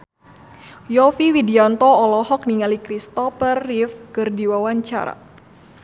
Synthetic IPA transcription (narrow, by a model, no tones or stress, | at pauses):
jɔfiwidiant̪ɔːlɔhɔk̚niŋalikɾist̪ɔfərːifkərdiwawaɲt͡ʃa̰ɾa̰